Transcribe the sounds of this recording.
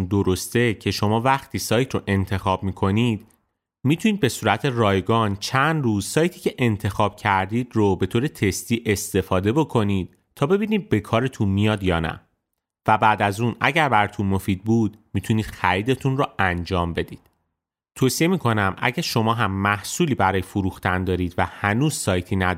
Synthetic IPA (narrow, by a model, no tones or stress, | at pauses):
nd̪oɾost̪e̞cʰe̞ʃo̞mɒːvæxt̪ʰiːsɒːjt̪ʰɾoʔe̞nt̪ʰe̞xɒːb̥̚miːkʰo̞niːd̪̥ | mit̪ʰuniːd̪̚be̞suːɾæt̪ʰe̞rɒːjɡɒːnt͡ʃʰænd̪ruːzsɒːjt̪ʰiːcʰe̞ʔe̞nt̪ʰe̞xɒːb̥̚cʰæɾd̪iːd̪robe̞t̪ʰoːɾe̞t̪ʰe̞st̪iːʔe̞st̪e̞fɒːd̪e̞bo̞kʰo̞niːd̪̥ | t̪ʰɒːbe̞biniːd̪̚be̞kʰɒːɾet̪ʰunmijɒːd̪jɒːnæ̰ | væbæːd̪æzuːnæ̰ɟæɾbæɾt̪ʰunmo̞fiːd̪̚buːd̪̥miːt̪ʰuniːd̪̥xæɾiːd̪e̞t̪ʰunrɔænd͡ʒɒːmbe̞d̪iːd̪̥ | t̪ʰoːsie̞miːkʰo̞næmʔæ̰ɟæɾʃo̞mɒːɦæmːæhsuːliːbæɾɒːjefoɾuːxt̪ænd̪ɒːɾiːd̪væhænuːz̥sɒːjt̪ʰiːnæ